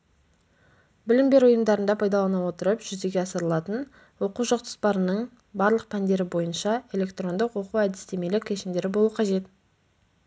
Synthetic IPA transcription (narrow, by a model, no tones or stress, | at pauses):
bɪlɪmbe̞ɾʊjəmd̪ɑɾənd̪ɑpʰɑjd̪ɑlˠɑnɑwo̞t̪əɾəpʒ̥ʏzd̪e̞ɡʲe̞ɑsəɾəlˠɑt̪ən | wo̞quʒoqt̪ʰə̥spɑɾənəɴ | bɑɾlˠəq̚pʰænd̪e̞ɾɪbo̞jənʃɑe̞le̞kt̪ro̞nd̪əqwo̞quwæd̪ɪst̪e̞me̞lɪkʲːʰeʃɪmd̪e̞ɾɪbo̞lˠuəqʰɑʒe̞t̪